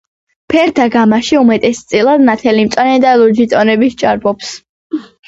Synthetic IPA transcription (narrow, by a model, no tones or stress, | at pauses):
pʰɛɾd̪aɡamaʃiumɛt̪ʼɛst̪sʼilˠad̪nat̪ʰɛlimt̪sʼwanɛd̪alud͡ʒit̪ʼɔnɛbist͡ʃʼaɾbʼɔps